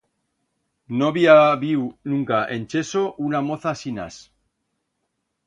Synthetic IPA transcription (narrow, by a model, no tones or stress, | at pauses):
noβiaβiwnũŋkaʔe̞nt͡ʃe̞soʔunamoθasina̰s